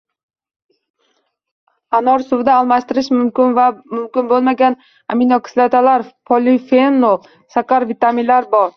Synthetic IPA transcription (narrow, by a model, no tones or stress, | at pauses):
anɒɾsʊwd̪aːlˠmaʃt̪ɪɾɪʃmʊnvamʊmkʲɪnbolˠmaɡʲan | aminokʰslˠet̪ʰalaɾpʰolifenːolˠ | saqaɾvit̪aminlaɾbɒɾ